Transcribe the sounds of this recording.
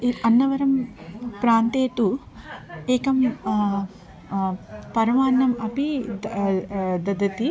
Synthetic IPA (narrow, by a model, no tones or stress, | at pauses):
iɐnːɐʋɐɾɐmpɾaːnt̪eːt̪u | eːkɐm | pɐɾɐmaːnːɐmɐpi | d̪ɐd̪ɐt̪i